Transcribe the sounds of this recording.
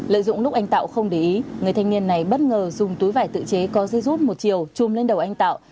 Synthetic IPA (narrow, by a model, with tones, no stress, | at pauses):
lə̰ː˧˨jzʊ̰˧˨ŋ͡mlʊ˦˥k͡p̚ʔa˧ŋ̟t̪a̰ː˧˨wxə˧wŋ͡mɗi˨˩ʔi˨˦ŋɨ˨˩əjt̪ʰa˧ŋ̟ni˧ənːa˨˩jɓə˦˥t̚ŋəː˨˩zʊ˨˩ŋ͡mt̪u˨˦jvaː˧˩jt̪ɨ̰˧˨t͡ɕe˨˦kɔ˨˦zə˧jzu˦˥t̚mo˨˩t̚t͡ɕi˨˩əwt͡ɕʊ˨˩mle˧nɗə˨˩wʔa˧jŋ̟t̪a̰ː˧˨w